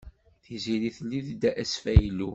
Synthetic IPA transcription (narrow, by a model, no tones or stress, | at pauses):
θiziɾiθlːiðd̪æʔæsfæjlu